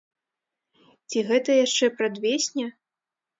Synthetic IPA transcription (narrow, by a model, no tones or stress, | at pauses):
t͡sʲiɣɛt̪ɐjaʂt͡ʂɛpɾad̪vʲesʲnʲɐ